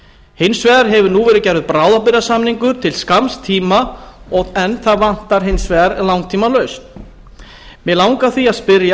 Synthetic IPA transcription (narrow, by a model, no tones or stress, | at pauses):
hɪnsvɛːðɾ̥ɦɛvʏɾnuːvɛːɾɪcɛjɾvʏðpɾaːwðapɪɾasamniŋkʏɾt̪ʰɪlskamst̪ʰːiːmaɔɛnθaðvan̥t̪aɾɦɪjnsvɛːɾlawŋt̪ʰiːmalœɥst̪ | mɛlawŋkaθiaðspɪɾja